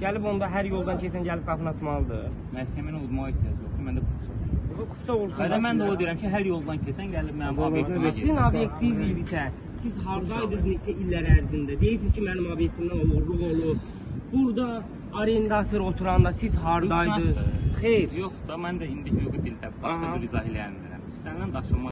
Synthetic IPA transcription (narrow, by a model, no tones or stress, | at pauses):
ɟ̥ælibo̞nd̪ɑɦæɾjo̞lˠd̪ɑncʰesænɟælib̚ɡɑpʰɯnɑsmɑlˠɯd̪ɯ̰ | mæɾcʰæmæniud̪mɑʁet̪ʰæzolˠkʰimænd̪ækʰufsʰɑɾoɑkʰu̥fsɑolˠslamænd̪ɛolˠd̪ijɾæmcʰiɦæɾjolˠd̪ɑncʰesænɟælibmænimolˠeinɑbjekt̪ʰivid̪isæ | sizɦɑɾd̪ɑjd̪ɯznet͡ʃʰæilːæɾæɾzind̪æd̪e̞jiɾsizcʰimænimobjek̚ʲt̪ʰimd̪æolˠuɾlˠuɣo̞lˠuɾ | b̥uɾd̪ɑː | ɾend̪ɑt̪ʰoɾo̞t̪ʰuɾɑnd̪ɑsizɦɑɾd̪ɑj̪ɯzχejɾjoχd̪ɑmænd̪æind̪ihøbibild̪æbbɑʃkɑɾizɑhelæjænd̪æɾæmist̪ænːænd̪ɑʃɯmɑ